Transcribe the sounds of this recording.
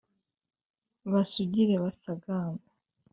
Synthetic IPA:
βasuɟiɾeβasaɡaːma

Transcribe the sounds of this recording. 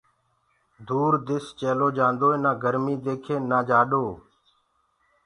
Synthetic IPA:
d̪uːɾd̪ɪst͡ʃeːloːd͡ʒãːnd̪oːẽːnãːɡəɾmiːd̪eːkʰeːnaːd͡ʒaːɗoː

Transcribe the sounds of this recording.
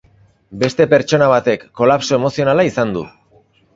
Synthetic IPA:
be̞st̪e̞pe̞ɾt͡ʃo̞naβ̞at̪e̞kːo̞lapso̞e̞mo̞sio̞nalaisand̪ṵ

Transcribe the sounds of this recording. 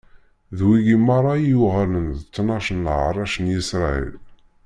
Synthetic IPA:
ðwiɡimɑɾˤɑjuʁələnðt͡sːnɑʃənʕɾˤɑʃənjisɾˤɑḭl

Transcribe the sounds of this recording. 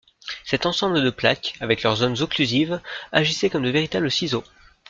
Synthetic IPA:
sɛt̪ɑ̃sɑ̃bləd̪əplakavɛklœʁzonzɔ̃klyzivaʒisɛkɔmd̪əveʁit̪abləsizo

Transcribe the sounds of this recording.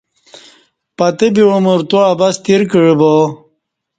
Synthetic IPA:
pɐt̪ebiɻomuɾt̪uabɐst̪iɾkiɻibo

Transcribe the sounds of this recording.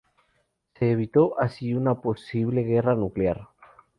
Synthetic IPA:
se̞ːβ̞it̪o̞ʔasiunapo̞siβ̞le̞ɣe̞ranuklaɾ

